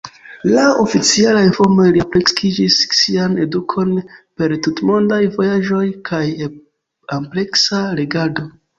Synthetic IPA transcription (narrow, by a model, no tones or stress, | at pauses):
lao̞fit͡sialaifo̞mo̞jliaplekskid͡ʒissiane̞dukʰo̞npe̞ɾtutmo̞ndajvo̞jaʒo̞jkʰaj | ample̞ksale̞ɡado̞